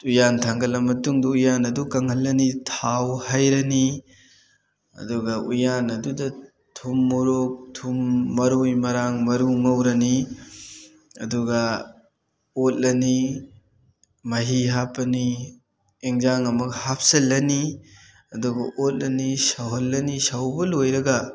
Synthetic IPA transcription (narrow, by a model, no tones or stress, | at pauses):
ujantʰaŋɡɐlɐmɐtuŋdɔujanɐdukɐŋhɐlːɐnitʰawhɐjɾɐni | ɐ̰duɡɐujanɐdudɐ | tʰumːuɾuk̚tʰumːɐɾujmɐɾaŋmɐɾuŋɐwɾɐni | ɐduɡɐ | ot̚lɐni | mɐɦiɦapːɐni | eŋzaŋɐmɐɡɐhap̚ʰsɐlːɐni | ɐduɡɐʔot̚lɐnisɐwɦɐlːɐnisɐwbɐlojɾɐɡɐ